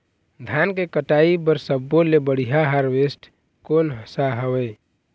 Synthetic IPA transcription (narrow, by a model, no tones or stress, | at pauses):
d̪ʱankekəʈaibəɾsəbːolebəɽ̤iɦaɦaɾwesʈ | konɦəsaɦəwɛ